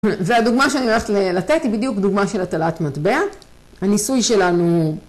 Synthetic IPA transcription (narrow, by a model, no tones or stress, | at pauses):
vead̪uɡmaʃeanimolaχet̪lelat̪e̞t̪hibid̪jukd̪uɡmaʃe̞lat̪alat̪mat̪bea | hanisujʃe̞lanu